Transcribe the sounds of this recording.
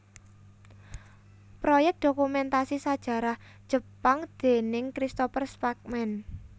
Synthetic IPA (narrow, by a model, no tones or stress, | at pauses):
pɾojɛk̚d̪̥okumɛnt̪asisad̥ʒ̥a̤ɾahd̥ʒ̥ə̤paŋd̪̥e̤nɪŋkɾist̪ofərspak̚mɛn